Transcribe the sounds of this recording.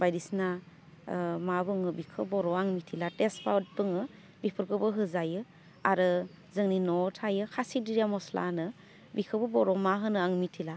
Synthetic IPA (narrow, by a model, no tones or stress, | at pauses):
bajdisna | mabɯŋɯbikʰɯbɔɾɔaŋmitʰilatespʰawt̚pɯŋɯ | bipʰɯɾkɯbɯɦɯzajɯ | aɾɯ | zɯŋninɔtʰajɯkʰasidiɾjamɔsla̰nɯ | bikʰɯbɯbɔɾɔmaɦɯnɯaŋmitʰila